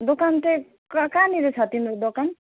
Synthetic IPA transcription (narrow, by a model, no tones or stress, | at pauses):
d̪ɔkantɛ | kakaniɾɛsatinɾɔd̪ɔkan